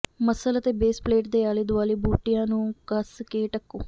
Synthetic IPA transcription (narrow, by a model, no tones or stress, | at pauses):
məsələt̪eːbeːspleːʈd̪eːaːleːd̪ʊʋaːleːbuːʈɪjãːnũːkəskeːʈəkːõ̰ː